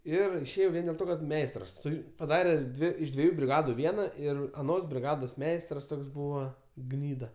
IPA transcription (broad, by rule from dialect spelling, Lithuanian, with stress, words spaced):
ˈɪr ɪʃʲˈeːjɛʊ ˈʋʲiɛn dʲeːlˠ ˈtoː kɐt ˈmʲɛɪstrɐs ˈsʊ pɐˈdɑːrʲeː ˈdʲʋʲɪ ɪʃ dʲʋʲiɛˈjuː bʲrʲɪˈɡɑːdʊ ˈʋʲiɛnɐ ˈɪr ɐˈnoːs bʲrʲɪˈɡɑːdoːs ˈmʲɛɪstrɐs ˈtoːks ˈbuːʋɐ ˈɡnʲiːdɐ